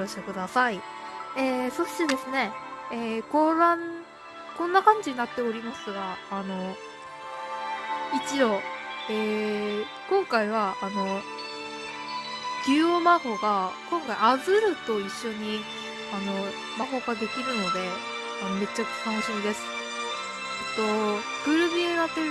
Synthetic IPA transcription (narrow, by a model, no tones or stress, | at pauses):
oɕokɯ̟d̪asai | eso̞ɕi̥t̪ed̪e̞sɨne̞ekoɾãn | kõ̞nːakãɲ̟d͡ʑiɲ̟inat̪ːe̞o̞ɾʲimasɨɡaːno̞ | it͡ɕiɾo̞eː | kõ̞ŋkaiβ̞aːno̞ | ɡ̥ʲɨːomaɦo̞ɡakõŋkaiazɨɾɯ̟t̪o̞iɕːo̞ɲ̟i | ano̞ | maɦo̞ɡad̪e̞kʲiɾɯ̟no̞d̪e̞ | anome̞t͡ɕːakkanoɕimid̪e̞sɨ̥ | et̪ːo̞ | ɡ̥ɯ̟ɾɯ̟bʲiɾat̪e